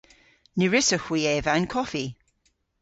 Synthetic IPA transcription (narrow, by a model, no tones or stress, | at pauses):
niɹɪsəxwiːɛːvankʰɔfi